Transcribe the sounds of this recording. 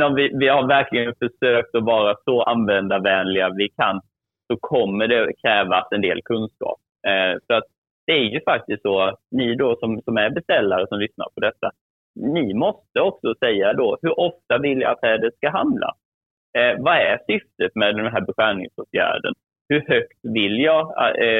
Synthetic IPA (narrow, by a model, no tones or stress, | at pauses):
ɔmvɪvɪhaɾvæɾkʰlɪɡənfœʂøːk̚t̪ɔvɑːɾasɔʔanvɛnd̪avɛːnlɪɡavɪkʰan | sɔkʰɔmːəɖɛkʰɾɛːvasɛnd̪ḛːlkʰɵnskɑ̰ːp̚ | fœɾat̪̚ | d̪̥ɛæɾjɵfak̚t̪ɪst̪sɔat̪nɪd̪ɔsɔmsɔmæɾbɛst̪ɛlːaɾəsɔmlʏsna̰ɾpʰɔd̪ɛt̪ːa | nɪmɔst̪əɔksɔsɛjːad̪ɔhɵɾʔɔft̪avɪlja̰at̪ʰɛːd̪ət̪skaɦamla̰ | vaæsʏft̪ət̪mɛd̪ɛɛnɦæːɾbɛɧæːɳɪ̰ŋsoːt̪ʰjæ̰ːɖə̰n | hɵɾhœkt̪vɪljɑ